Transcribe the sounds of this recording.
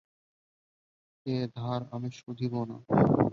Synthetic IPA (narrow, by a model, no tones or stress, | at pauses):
ed̪ʱaɾa̰miʃud̪ʱibona̰